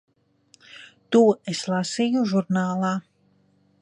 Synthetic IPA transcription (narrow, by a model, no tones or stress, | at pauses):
t̪uːʔeslˠasijuʒuɾnaːlˠɑː